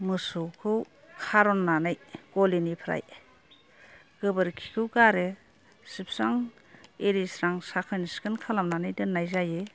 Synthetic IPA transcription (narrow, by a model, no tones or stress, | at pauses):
mɯsuwkʰɯw | kʰaɾɔnːanajɡ̥ɔlinipʰɾa̰j | ɡ̥ɯbɯɾkʰi̥kʰɯwɡaɾe | sip̚ʰsaŋ | eɾisɾaŋsakʰɯniskɯnkʰalamnanajdɯnːajzaje